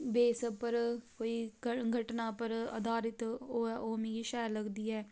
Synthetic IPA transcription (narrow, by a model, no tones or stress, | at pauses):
beːsəpəɾkoːiːɡʱəʈnaːpəɾə̰d̪aːɾɪt̪oːɛʔoːmẽːɡiʃɛːəɾləɡd̪iːɛː